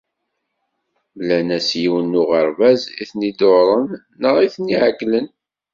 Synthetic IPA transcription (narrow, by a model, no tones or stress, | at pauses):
blænæsjiwənːʊʁəɾˤvæziθnid̪oɾˤənː | əʁiθniʕɡlən